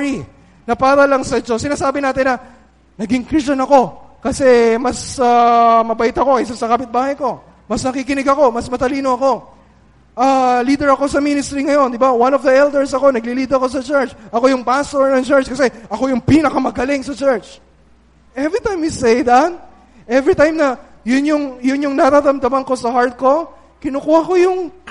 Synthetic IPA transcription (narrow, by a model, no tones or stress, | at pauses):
ɹi | nɐpaːɾɐlɐŋsɐd͡ʒo̞sːɪnaːsaːbɪnaːt̪ɪnːɐ | nɐɡɪŋkɾist͡ʃɐnɐko̞kɐsɛmɐsɐmɐbɐʔɪt̪ɐko̞kɐʔsansɐkaːpɪt̪̚baːhɐjko̞ | mɐsnɐkikɪnɪɡɐko̞mɐsmɐt̪ɐliːno̞ɐko̞ | ʔɐliːd̪ɛɹɐko̞sɐminɪst̪ɾiŋɐjo̞nd̪ɪbawanovd̪ɐɛld̪ɛɹsɐko̞nɐɡliliːd̪ɐko̞sɐt͡ʃɛɹt͡ʃʔɐko̞jʊŋpast̪oɹnɐŋt͡ʃɛɹt͡ʃkɐsɛʔɐko̞jʊŋpinɐkɐmɐɡɐlɪŋsɐt͡ʃɛɹt͡ʃ | ʔɛvɹit̪ajmisejd̪ɐn | ʔɛvɹit̪ajmnɐ | jʊnjʊŋjʊnjʊŋnɐɾad̪ɐmd̪ɐmɐnko̞sɐhaɹt̪̚ko̞ | kɪnokuwako̞jʊŋ